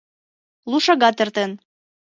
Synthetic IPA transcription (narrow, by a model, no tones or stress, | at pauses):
lˠuʃɑɣɑt̪ert̪en